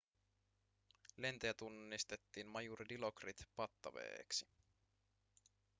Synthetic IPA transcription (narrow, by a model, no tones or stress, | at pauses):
le̞nt̪eæt̪unːist̪e̞t̪ːiːnmɑjurd̪ilo̞krit̪pɑt̪ːɑʋḛːksi̥